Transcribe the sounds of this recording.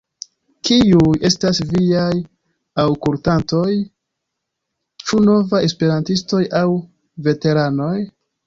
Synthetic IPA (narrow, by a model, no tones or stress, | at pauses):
kiuje̞stasviaj | awkultanto̞j | t͡ʃuno̞vae̞spe̞ɾantisto̞jaw | ve̞te̞ɾano̞j